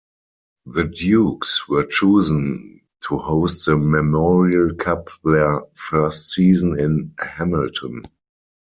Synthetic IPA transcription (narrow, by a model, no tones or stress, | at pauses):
ðədjuːkswɜ˞t͡ʃuːzə̃n | tʰuhoʊst̚ðəmɛmɔɹiəlkʰapðɛəfɜ˞stsiːzə̃nɪ̃nhæməltʰə̃n